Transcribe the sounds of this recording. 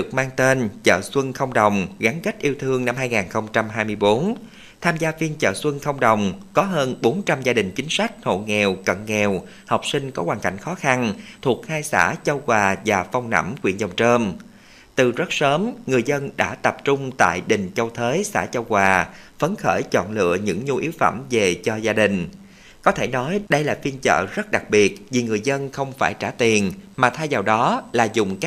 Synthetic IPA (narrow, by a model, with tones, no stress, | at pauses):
ɨ˨˩ək̚maː˧ŋt̪e˧nt͡ɕə̰ː˧˨swə˧nxə˧wŋ͡mɗə˨˩wŋ͡mɣa˨˦ŋkə˦˥k̟̚ʔi˧əwt̪ʰɨ˧əŋna˧mhaː˧jŋaː˨˩nxə˧wŋ͡mt͡ɕa˧mɦaː˧jmɨ˧əjɓo˨˦n | t̪ʰaː˧mzaː˧vi˧ənt͡ɕə̰ː˧˨swə˧nxə˧wŋ͡mɗə˨˩wŋ͡mkɔ˨˦ɦəː˧nɓo˨˦nt͡ɕa˧mzaː˧ɗï˨˩ŋ̟t͡ɕï˨˦ŋ̟sa˦˥jk̟̚ho̰˧˨ŋɛ˨˩wkə̰˧˨nŋɛ˨˩w | hə˨˩wk͡p̚sï˧ŋ̟kɔ˨˦waː˨˩nka̰˧˩jŋ̟xɔ˨˦xa˧nt̪ʰu˨˩ək̚haː˧jsa̰ː˧˩t͡ɕə˧wkwaː˨˩vaː˨˩fa˧wŋ͡mna̰˧˩mkwḭ˧˩ənzə˨˩wŋ͡mt͡ɕəː˧m | t̪ɨ˨˩zə˦˥t̚səː˨˦mŋɨ˨˩əjzə˧nɗa̰ː˧˥t̪ə˨˩p̚t͡ɕʊ˧ŋ͡mt̪a̰ː˧˨jɗï˨˩ŋ̟t͡ɕə˧wt̪ʰəː˨˦jsa̰ː˧˥t͡ɕə˧wkwaː˨˩ | fə˨˦nxə̰ː˧˩jt͡ɕɔ̰˧˨nlɨ̰˧˨əɲɨ̰˧˥ŋɲu˧ʔi˨˦wfə̰˧˩mve˨˩t͡ɕɔ˧zaː˧ɗï˨˩ŋ̟ | kɔ˨˦t̪ʰe˧˩nɔ˨˦jɗə˧jlaː˨˩fi˧ənt͡ɕə̰ː˧˨zə˦˥t̚ɗa˨˩k̚ɓi˨˩ət̚vi˨˩ŋɨ˨˩əjzə˧nxə˧wŋ͡mfaː˧˩jt͡ɕaː˧˩t̪i˨˩ənmaː˨˩t̪ʰaː˧jzaː˨˩wɗɔ˨˦laː˨˩zʊ˨˩ŋ͡mka˦˥